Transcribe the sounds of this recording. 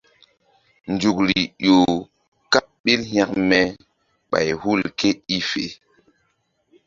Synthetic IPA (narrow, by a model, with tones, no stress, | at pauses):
nd͡ʒu˨kɾi˨jo˨ | ka˦ | ɓi˦lhja˦kmɛ˦ | ɓa̰˨jhu˦˨lke˦i˦fe˨